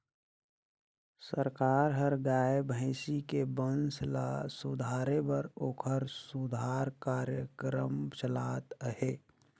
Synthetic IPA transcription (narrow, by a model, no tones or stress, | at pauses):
səɾkaːɾɦəɾɡaːebʱəɪsikebənslasud̪ʱaːɾebəɾoːkʰəɾsud̪ʱaːɾkaːɾjəkɾəmt͡ʃəlaːt̪ɦeː